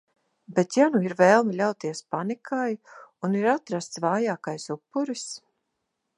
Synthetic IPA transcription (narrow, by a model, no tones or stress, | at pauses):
bet̪januiɾvɛːlˠmilʲawt̪iɛspanikʰajuniɾat̪ɾast̪svaːjaːkajsupːuɾis